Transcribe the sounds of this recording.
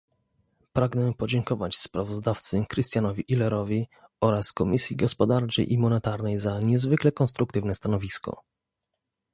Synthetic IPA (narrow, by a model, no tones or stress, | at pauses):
pɾaɡnɛpɔd͡ʑɛŋkɔvat͡ɕspɾavɔzd̪aft̪sɘkɾɘst̪ʲjanɔvʲiʔilɛɾɔvʲiɔɾaskɔmʲisʲjiɡɔspɔd̪aɾt͡ʂɛ̰jʔimɔnɛt̪aɾnɛjzaɲɛzvɘklɛkɔnst̪ɾuk̚t̪ɘvnɛst̪anɔvʲiskɔ̰